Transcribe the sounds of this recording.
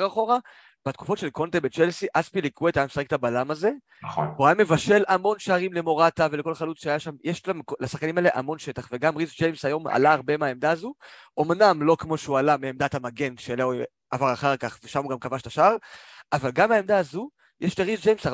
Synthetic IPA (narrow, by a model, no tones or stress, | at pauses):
aχo̞ʁa | b̥at̪̚ku̥fo̞tʃelko̞nt̪ebet͡ʃelsiʔazpilikuetajamsaʁek̚tabalamaze̞ | χouajame̞vaʃe̞lamo̞nʃaːʁimle̞mo̞ʁatave̞leko̞lχalut͡sʃeajaʃamjɛʃlamkolasaχkanimaeleʔa̰mo̞nʃe̞taχve̞ɡamʁisd͡ʒejmsajo̞ma̰laːʁbemaemd̪aːzuʔo̞mnamlo̞kmo̞ʃeualameːmd̪at̪amaɡe̞nʃele | avaʁaχaʁkaχveʃamuɡamkavaʃt̪aʃaaʁavalɡamaemd̪aːzu | jɛʃlaʁisd͡ʒejmsaʁ